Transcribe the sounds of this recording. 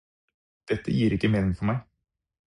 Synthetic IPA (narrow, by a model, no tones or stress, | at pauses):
d̪̥ɛt̪ːə̰jiːɾɪkːəmeːnɪŋfɔɾmæɪ